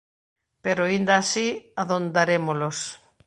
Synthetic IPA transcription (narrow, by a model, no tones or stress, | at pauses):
peɾoind̪aːsiaðond̪aɾemolos